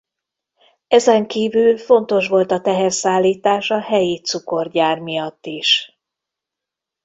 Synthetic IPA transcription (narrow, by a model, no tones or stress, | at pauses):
ɛzɛŋkiːvylfo̞nt̪o̞ʃʋo̞lt̪ɒt̪ɛɦɛrsaːlːiːt̪aːʃɒhɛjit̪suko̞rɟaːrmijɒt̪ːiʃ